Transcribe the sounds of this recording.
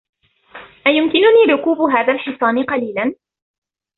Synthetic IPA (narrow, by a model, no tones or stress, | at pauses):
ʔajʊmkɪnʊniːɾʊkuːbʊɦaːðaːlħɪsˤɑːnɪqɑliːlan